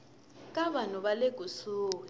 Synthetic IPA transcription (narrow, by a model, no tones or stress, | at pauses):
k̬ʼaβanuβaleɡ̥ʱusuːwɛ